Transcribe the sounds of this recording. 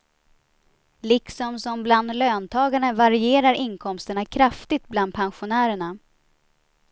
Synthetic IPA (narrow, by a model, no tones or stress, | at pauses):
lɪksɔmsɔmbland̪løːnt̪ʰɑːɡaɳəvaɾɪeːɾaɾɪnkʰɔmst̪əɳakʰɾaft̪ɪt̪̚bland̪̚pʰɛnɧʊnæːɾəɳa